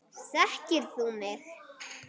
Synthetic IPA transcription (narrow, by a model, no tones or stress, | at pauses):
sahcɪɾθumɪɣ